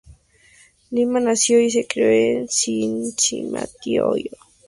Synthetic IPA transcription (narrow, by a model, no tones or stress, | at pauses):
limanasjois̬ekɾeensint͡ʃima̰t̪iojo